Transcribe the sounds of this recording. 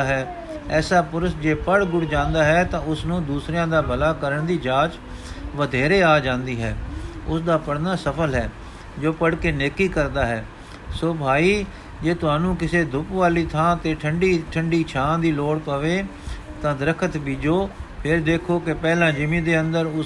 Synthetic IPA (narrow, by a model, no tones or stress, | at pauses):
ɦɛː | ɛːsaːpʊɾəsd͡ʒeːpəɽɡʊɽd͡ʒãːnd̪aːɦɛːt̪ãːʊsnũːd̪uːsɾejãːd̪aːbəlaːkəɾəɳd̪iːd͡ʒaːt͡ʃ | ʋəd̪ʱeːɾeːaːd͡ʒãːnd̪iːɦɛ̰ːʊsd̪aːpəɽnaːsəpʰəlɦɛː | d͡ʒoːpəɽkeːneːkːiːkəɾd̪aːɦɛː | soːbʱaːiː | d͡ʒeːt̪ʊaːnũːkɪseːd̪ʱʊpʋaːliːt̪ʰãːt̪eːʈʰəɳɖiːʈʰəɳɖiːt͡ʃʰãːd̪iːloːɽpəʋeːt̪ãːd̪əɾəkʰət̪biːd͡ʒoːpʰɪɾd̪eːkʰoːkɪpɛːlãːd͡ʒɪmĩːd̪eːənd̪əɾʊ